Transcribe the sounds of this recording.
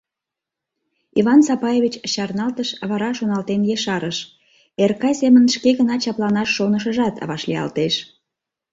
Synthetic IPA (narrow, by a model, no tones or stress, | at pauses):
iβɑnsɑpɑjeβʲit͡ɕɕɑrnɑlt̪əʃβɑɾɑʃonɑlt̪enjeʃɑɾəʃ | erkɑjsemənʃkeɣənɑt͡ɕɑplɑnɑʃːonəʃəʒɑt̪βɑʃlijɑ̰lt̪eʃ